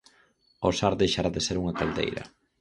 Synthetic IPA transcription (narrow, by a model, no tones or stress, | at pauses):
osaɾðejʃaɾaðeseɾuŋɐkald̪ḛjɾɐ̰